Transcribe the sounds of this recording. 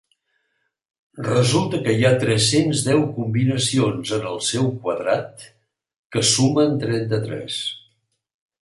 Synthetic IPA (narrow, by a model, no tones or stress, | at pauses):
rəzulˠt̪əkəiat̪ɾɛsenzðɛwkumbinəsionzənəlˠsɛwkwəðɾa̰t̪̚ | kəsumənt̪ɾɛnt̪ət̪ɾɛ̰s